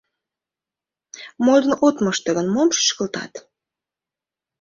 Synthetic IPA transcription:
mod̪ə̆not̪məʃt̪əɣənmomʃə̥ʃkəlt̪ɑ̰t̪

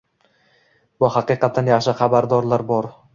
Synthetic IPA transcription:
bʊhɑqɨqɑt̪ʰːanjaχʃɪχabaɾd̪ɒɾlaɾbɒɾ

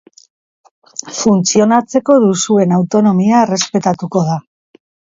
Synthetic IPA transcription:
funt͡sio̞nat͡se̞ko̞ðusue̞nawt̪o̞no̞miaere̞spe̞t̪at̪uko̞ð̞a

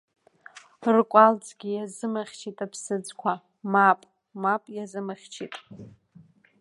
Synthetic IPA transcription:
rkʷʼalt͡sʰʼɡʲijazɨmaχʲt͡ʃʰitʼapʰsɨd͡zkʷʰa | mapʼ | mapʼjazɨmɨχʲt͡ʃʰḭtʼ

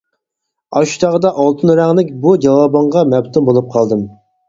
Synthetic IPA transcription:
ɑʃu̥t̪ʰɑʁəd̪ɑʔɑlˠt̪ʰɨnɾæŋlɪkʲbud͡ʒɑwɑːbɑɴʁɑmɛpt̪ʰumbolˠup̚qʰɑlˠd̪ɨm

